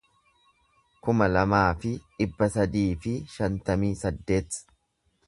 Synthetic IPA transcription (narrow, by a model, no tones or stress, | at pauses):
kʊmɐlɐmaːfɪᶑɪbːɐsɐd̪iːfɪʃɐnt̪ɐmiːsɐd̪ːe̞ːt̪